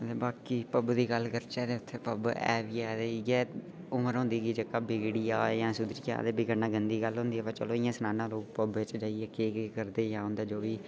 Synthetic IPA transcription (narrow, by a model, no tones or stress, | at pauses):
ət̪ləbaːkiːpəbd̪iːɡəlːkəɾt͡ʃɛːd̪eːʊt̪ʰːeːpəbɛ̰ːʋiːad̪eːɡɛː | ʊməɾɦõːnd̪iːɡiːd͡ʒəkaːbɪɡɽijaːjãːsʊd̪ɾija̰ːd̪eːbiɡənãːɡənd̪iːɡəlɦõːnd̪iːɛːpaːt͡ʃəloːɪjãːsənãːnãːloːɡpəbɪt͡ʃd͡ʒaːiɛːkeːkekəɾd̪eːjãːɦʊ̃nd̪aːd͡ʒoːʋiː